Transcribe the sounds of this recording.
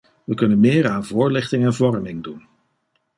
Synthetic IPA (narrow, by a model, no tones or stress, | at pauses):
ʋəkɵnənmɪːɹaːnvʊːɹlɪχtɪŋɛnvɔrmɪŋdun